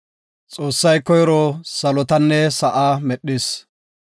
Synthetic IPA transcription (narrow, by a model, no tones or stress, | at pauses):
t͡sʼoːsːɐjkɔjɾɔsɐlɔt̪ɐnːɛsɐʔaːmɛɗːɪs